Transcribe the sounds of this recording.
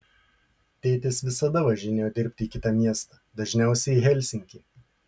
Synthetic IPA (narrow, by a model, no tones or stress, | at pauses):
t̪ʲɛɪt̪ʲɪsʋʲɪsɐd̪ɐʋɐʒʲɪnʲeːjoːd̪ʲɪɾʲpʲt̪ʲɪiːkʲɪt̪ɐmʲiɛst̪ɑːd̪ɐʒʲnʲæˑʊsʲɛɪɦʲɛlʲsʲɪŋʲkʲiː